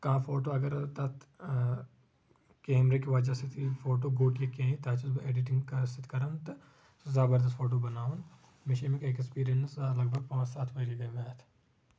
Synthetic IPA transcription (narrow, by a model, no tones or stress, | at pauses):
kɐãfoːʈoɐɡəɾt̪ɐt̪ | keːmɾek̬eʋɐd͡ʒasɪt̪ifoːʈ̬oɡoːʈjekẽĩt̪aːt͡ʃɐsbɐeːɖɪʈɪ̃ŋɡkɐsɪt̪kɐɾənt̪ | zaːbəɾd̪ɐst̪fʰoːʈ̬obɐnaːun | mɪʃɐmẽkɐekspiːɾijənslɐɡ̚bʱɐɡ̚pɔːsaːt̪ʰʋɐɾiɡɐmeːt̪ʰ